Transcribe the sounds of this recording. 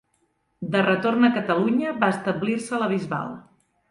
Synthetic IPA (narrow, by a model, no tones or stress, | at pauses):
d̪ərət̪ornəkət̪əluɲəβaəst̪əblirsələβ̞izβa̰lˠ